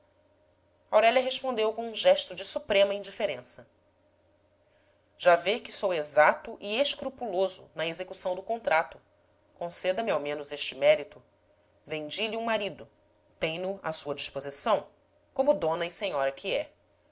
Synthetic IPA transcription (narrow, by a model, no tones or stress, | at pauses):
awɾɛʎɐɦeʃpõnd̪ewkõũʒɛʃt̪ʊd͡ʒɪsupɾẽmɐĩɲd͡ʒifeɾẽsɐ | ʒ̥avekɪsowezat̪ʊʔieʃkɾupulozʊ̰nɐezekusɐ̃w̃d̪ʊkõnt̪ɾat̪ʊ | kõsɛd̪ɐmiawmẽnʊzeʃt͡ʃɪmɛɾit̪ʊ | vẽɲd͡ʒiʎiũmaɾid̪ʊ | t̪ẽj̃nʊa̰suɐd͡ʒiʃpozisɐ̃w̃ | kõmʊd̪õnɐisẽɲɔɾɐkʰiɛ